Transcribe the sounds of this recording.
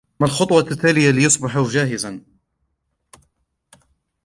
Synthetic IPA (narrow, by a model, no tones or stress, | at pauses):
malxɑt̪ˤwɑt̪ːaːlɪjalɪjɑsˤbɪħʊd͡ʒaːɦɪzan